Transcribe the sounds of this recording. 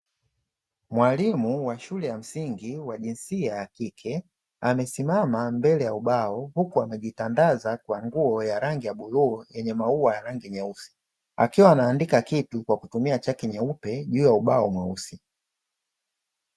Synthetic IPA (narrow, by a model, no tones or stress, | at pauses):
mwalimuwaʃulɛjam̩siŋɡiwaʄinsiajakikʰɛ | amɛsimamambɛlɛjauɓaɔhukuamɛʄitandazakwaŋɡuɔjaɾaŋɡijaɓuluːjɛɲɛmauwajaɾaŋɡiɲɛusi̥ | a̰kiwaːnaːndikakitukwakutumiat͡ʃakiɲɛupɛʄuːjauɓaɔmwɛusi